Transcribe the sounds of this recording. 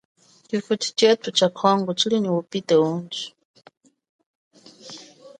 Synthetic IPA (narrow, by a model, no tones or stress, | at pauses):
difut͡ʃʰi̥t͡ʃɛt̪ʰut͡ʃʰakʰɔŋɡɔt͡ʃʰiliniwupitɛund͡ʒi̥